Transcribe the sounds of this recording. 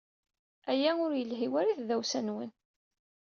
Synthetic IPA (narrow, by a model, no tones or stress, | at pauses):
æjæʊɾjəlɦiwæɾiθðæwsænwə̰n